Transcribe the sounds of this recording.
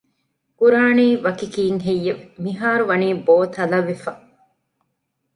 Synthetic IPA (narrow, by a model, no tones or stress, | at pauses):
kuɾaːniːʋɐkikiːŋɦejːeʋmiɦaːɾuʋɐniːboːt̪ɐlɐʋifɐ